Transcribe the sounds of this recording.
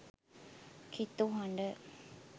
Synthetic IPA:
kʰit̪uɦɐɳɖə

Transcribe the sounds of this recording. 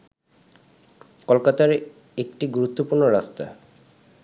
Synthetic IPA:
kolkat̪aɾ | ek̚ʈiɡuɾut̪ːopuɾnoɾast̪a̰

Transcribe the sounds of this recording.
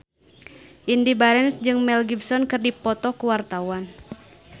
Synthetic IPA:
ʔindibaɾɛnsd͡ʒɨŋmɛlɡibsɔnkɨrdipɔt̪ɔkuwart̪awan

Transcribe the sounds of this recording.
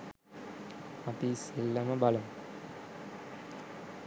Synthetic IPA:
ɐpiselːɐmɐbɐlɐm

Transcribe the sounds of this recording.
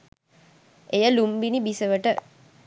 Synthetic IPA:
ejəlumbinibisəʋəʈə

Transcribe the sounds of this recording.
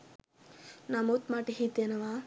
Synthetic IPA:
naːmot̪maːʈiɦit̪jɐnɐʋaː

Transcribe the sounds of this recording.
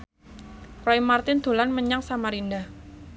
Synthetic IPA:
ɾaimart̪ɪnd̪̥o̤lanməɲaŋsamaɾindah

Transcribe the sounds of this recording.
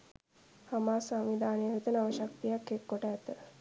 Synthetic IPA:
hamaːsamʋid̪ʱaːnejəɦut̪ənaʋəʃɐk̚t̪ijakːekːoʈəːt̪ə

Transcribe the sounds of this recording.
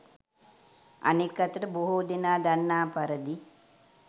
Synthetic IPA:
ɐ̰nekːɐt̪ɾɐboɦud̪inaːd̪ɐnːaːpɐɾɐd̪i

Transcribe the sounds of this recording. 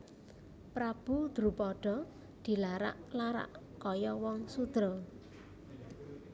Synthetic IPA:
pɾab̥ud̪̥ɾṳpɔɖ̥ɔ̤ | d̪̥i̤laɾa̰ʔlaɾa̰ʔ | kɔjɔwɔŋsud̪̥ɾɔ

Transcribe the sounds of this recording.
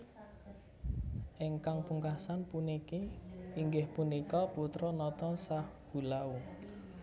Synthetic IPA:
ʔeŋkaŋpuŋkasanpunikiiŋɡɪhpunikɔput̪ɾɔnɔt̪ɔsahb̥ṳlau

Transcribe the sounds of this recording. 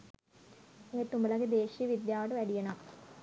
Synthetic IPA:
eːt̪ːumbɐlɐked̪eːɕijɐʋid̪jaːʋɐɽɨʋɐɽijɐɳɐm

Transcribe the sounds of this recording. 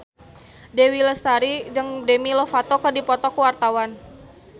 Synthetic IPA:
dewiləst̪aɾid͡ʒəŋdemilɔfat̪ɔkərdipɔt̪ɔkəwart̪awan

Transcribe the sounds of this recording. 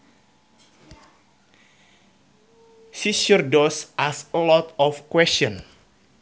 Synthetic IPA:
sisurdɔsʔasəlɔt̪ɔfkwɛsɔ̃n

